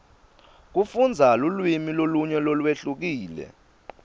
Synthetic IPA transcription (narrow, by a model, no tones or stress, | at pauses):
k̬ufund͡zʱalulwimiloluɲɛlolweɬuk̬iːlɛ̰